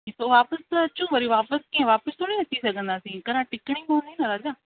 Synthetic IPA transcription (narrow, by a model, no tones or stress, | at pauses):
t̪oʋaːpəst̪ːt͡ʃũːʋɐɾiʋaːpəskiẽʋaːpəst̪onĩɐt̪ːisɐɡə̃nd̪aːsĩkɐɾãʈɪkɽ̃ĩpõnd̪inɐɾad͡ʒaː